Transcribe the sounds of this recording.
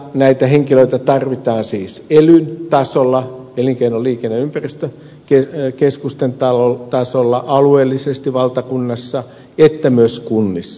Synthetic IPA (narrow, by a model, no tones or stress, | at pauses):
næit̪æheŋkiløit̪æt̪ɑrʋit̪ɑːnsiːselynt̪ɑsolːɑeliŋkeinolliːkenːeympærist̪ø | kekeskust̪ent̪ɑlot̪ɑsolːɑʔɑlueːlːisest̪iʋɑlt̪ɑkunːɑsːɑ | et̪ːæmyøskunːisːɑ̥